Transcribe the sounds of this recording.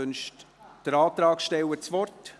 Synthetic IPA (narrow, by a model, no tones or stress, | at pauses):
ønʃt | d̥əɾɑːt̪ɾɑːkʃtɛwət͡sʋɔrt